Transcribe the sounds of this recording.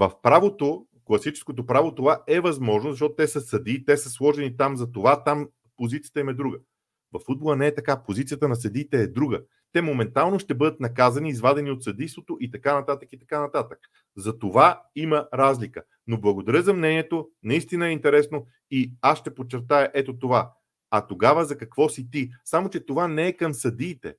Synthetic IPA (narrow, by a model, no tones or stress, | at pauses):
vɐfpɾavot̪o | klˠɐsit͡ʃɛ̥skot̪opɾavot̪ovaɛvɐzmɔʒnozɐʃtɔt̪ot̪ɛsəsɐd̪it̪ɛsəslˠɔʒɛnit̪amzɐt̪ovat̪am | pozit̪sijə̥t̪əimɛd̪ɾuɡə | vɐfːud̪̚bolˠənɛɛt̪ɐkapozit̪siət̪ənɐs̬ɐd̪it̪ɛːd̪ɾuɡə | t̪ɛmomɛnt̪alˠnoʃt̪ɛbɤd̪ət̪nɐkazɐniːzvad̪ɛniot̪sɐd̪ijst̪vot̪oʔit̪ɐkanɐt̪at̪əkit̪ɐ̥kanɐt̪at̪ək̚ | zɐt̪ovaiməɾazlikə | noblˠɐɡod̪ɐɾʲəzɐmnɛniɛt̪onɐist̪inəɛint̪ɛɾɛsno | iasʃt̪ɛpott͡ʃːɛɾt̪ajəʔɛt̪ot̪ova | ɐt̪oɡavəzɐkɐkvɔsit̪isamot͡ʃɛt̪ovanɛːkɐmsɐd̪iːt̪ɛ̰